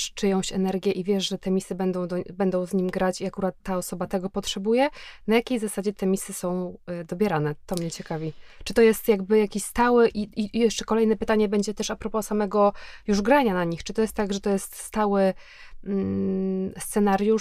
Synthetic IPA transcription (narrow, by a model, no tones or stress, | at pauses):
t͡ʂɘjɔ̃w̃ɕɛnɛɾɡʲjɛʔivʲjɛʂʐɛt̪ɛmʲisɘbɛnd̪ɔ̃w̃d̪ɔbɛnd̪ɔ̃w̃zɲimɡɾat͡ɕiakuɾat̪ːaɔsɔbat̪ɛɡɔpɔtʂɛbujɛnajakʲejzasad͡ʑɛt̪ʰɛmʲisɘsɔ̃w̃d̪ɔbʲjɛɾanɛt̪ɔmɲɛt͡ɕɛkavʲit͡ʂɨt̪ɔjɛst̪jaɡbɘjakʲiɕst̪awɘʔiijɛʂt͡ʂɛkɔlɛjnɛpɘt̪aɲɛbɛɲd͡ʑɛt̪ɛʂapɾɔpɔsamɛɡɔjuʐɡɾaɲanaɲixt͡ʂɨt̪ɔjɛst̪ːaɡʐɛt̪ɔjɛst̪st̪awɘ | st̪sɛnaɾju